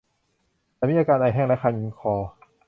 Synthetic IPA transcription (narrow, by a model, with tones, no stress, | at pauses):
t̪ɛː˧˩miː˧˨ʔa˧kaː˧nʔa˧jɦɛː˥˩ŋlɛ˦˥kʰa˧ni˧ŋkʰɔː˧